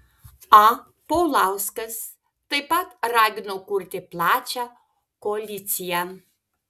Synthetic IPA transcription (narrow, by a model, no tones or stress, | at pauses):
a | powlawskəs | t̪əjpat̪raɡʲnokurʲt̪ʲeplˠaːt͡ʃa | kolʲit͡s̪ʲija